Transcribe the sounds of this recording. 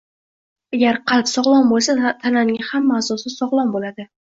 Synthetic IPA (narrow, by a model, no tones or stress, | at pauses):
aɡʲaɾqʰɑlˠpsɒʁlˠɒnbolˠsat̪ʰananɪŋʲahamːaːsɒsɪsɒʁlˠɒnbolad̪ɪ